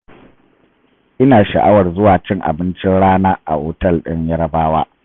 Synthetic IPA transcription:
ʔɪ˦naː˨ʃɐ˨ʔa˦wɐ˨rzʊ˦waː˨t͡ʃɪ˦ŋʔa̰˨bɪ˦nt͡ʃɪ˦nɽaː˦naː˦ʔa̰˨ʔoː˨tɐ˦˨lɗɪ̰˦ɲjɐ˦ɽɐ˦baː˦waː˦

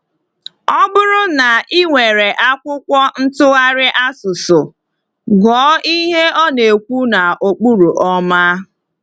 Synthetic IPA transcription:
ɔ˦bʊ˦ɾʊ˦na˨ʔi˦ŋʷe˨ɾe˨ʔa˦kʷʊ˦kʷɔ˦n̩˦tʊ˦ɣa˦ɾɪ˦ʔa˦sʊ˨sʊ˨ | ɡɔː˨˦i˦ɦe˦ɔ˦ne˨kʷu˦na˨o˨k͡pu˦ɾu˨ʔɔ˦ma˦

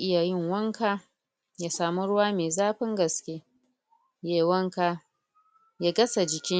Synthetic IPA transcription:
ʔɪ˦ja˨jɪ˦˨ŋwɐ˦ŋka˦ | ja˨saː˨mu˦ɽʊ˦waː˦meː˨zaː˦ɸɪ˦ŋɡɐ˨skʲeː˦ | jeː˨wɐ˦ŋka˦ | ja˦ɡɐ˦sa˨d͡ʒɪ˨kʲɪ˦

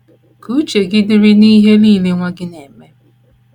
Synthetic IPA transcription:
kʰu˦t͡ʃe˨ɡɪ˦dɪ˦ɾi˦niː˦ɦe˦niː˦˨le˦ŋʷa˦ɡɪ˦ne˨me˦

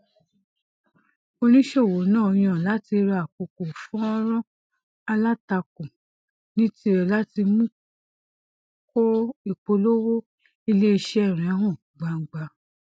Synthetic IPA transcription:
o˧nĩ˦ʃe˦˨wo˨˦nãː˦˨˧j̃ã˦˨la˨˦ti˧ɾa˧˨a˨k͡po˨ko˨fɔ̃˦ɾ̃ɔ̃˦ | a˧la˦ta˧ko˨ | nĩ˦ti˦ɛ˨la˦ti˧mũ˦ | kɔ˦i˦˨k͡po˧lo˦wo˦ | i˧le˦i˧ʃɛ˦ɛ˦˨ɾ̃ɛ̃˨˦ɦɔ̃˦˨ | ɡ͡ba˨ŋ̩˨ɡ͡ba˧

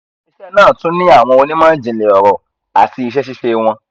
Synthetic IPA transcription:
i˨ʃɛ˦nãː˦˨tũ˦nĩ˦a˦˨w̃ɔ̃˧o˧nĩ˦mã˦d͡ʒĩ˨le˨ɔ˨ɾɔ˨ | a̰˨ti˧i˧ʃ̬ɛ˦ʃ̬i˦ʃe˧w̃ɔ̃˧

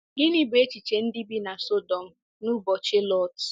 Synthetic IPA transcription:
ɡi˦ni˦be˦t͡ʃi˨t͡ʃe˨n̩˦di˦bi˦na˨so˦dɔ˨m̩˦ | nu˦bɔ˨t͡ʃe˦lɔ˦t

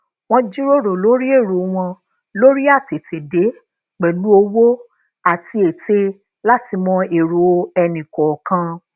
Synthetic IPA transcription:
w̃ɔ̃˧d͡ʒi˦ɾo˦ɾo˨lo˦ɾi˦e˦˨ɾo˨˦w̃ɔ̃˧ | lo˦ɾi˦a˦˨te˨te˨de˨˦ | k͡pɛ˨lu˨˦o˧wo˦ | a˨ti˧e˨te˧ | la˦ti˧mɔ̃˧e˨ɾo˨˦ɛ˧nĩ˨kɔ˨kã˧

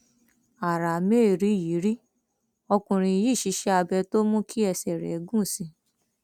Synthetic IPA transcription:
a˨ɾa˨me˦˨ɾi˨˦˨ji˨˦ɾi˦ | ɔ˧kũ˧ɾ̃ĩ˧ji˦˨ʃi˧˦ʃɛ˦a˧bɛ˧to˦mũ˦kʰi˦ɛ˧sɛ˨ɾɛ̰˨˦ɡũ˦˨sĩ˧

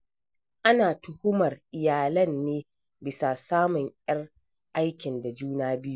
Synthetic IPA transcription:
ʔa˦naː˨tʊ˨hʊ˦mɐ˨rʔɪ˨jaː˨lɐ˦nːeː˦ | bɪ˨sa˨saː˦mʊ˨ŋjɐ˦r | ʔa˦jkʲɪ˨nda˨d͡ʒuː˦naː˦bɪ˦ju˦ʔ

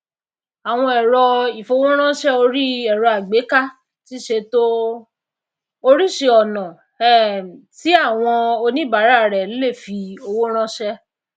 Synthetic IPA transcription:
a˨w̃ɔ̃˧ɛ˨ɾɔ˧i˨fo˧wo˦ɾ̃ã˦ʃɛ˦o˧ɾi˦ɛ˦˨ɾɔ˧a˨ɡ͡be˨˦ka˦ | ti˦ʃe˧to˦ | o˧ɾi˦ʃe˧ɔ˨nã˨ | ɛ˦˨ti˨˦a˦˨w̃ɔ̃˧o˧nĩ˦ba˨˦ɾa˦˨ɾɛ˨˦le˦˨fi˧o˧wo˦ɾ̃ã˦ʃɛ˦

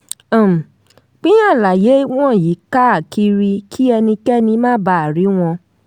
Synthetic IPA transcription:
ã˨m˨ | k͡pi˦jã˦˨la˨je˨˦w̃ɔ̃˦˨ji˨˦ka˦a˦˨ki˦ɾi˧kʰi˦ɛ˧nĩ˧kɛ˦nĩ˧mãː˦ba˦˨a˨ɾi˨˦w̃ɔ̃˧

